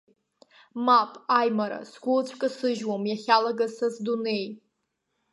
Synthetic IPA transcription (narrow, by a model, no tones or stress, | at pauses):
mapʼajmaɾa̰sɡʷʊlt͡ɕʷʰʼkʼɨsɨʒwomjaχʲalaɡasazdune̞j